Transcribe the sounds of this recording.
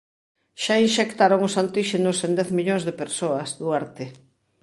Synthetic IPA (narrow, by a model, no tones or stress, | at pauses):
ʃainʃekt̪aɾoŋʊsant̪iʃenʊsend̪ɛθmiʎoŋzðepeɾsoɐsðuaɾt̪ɪ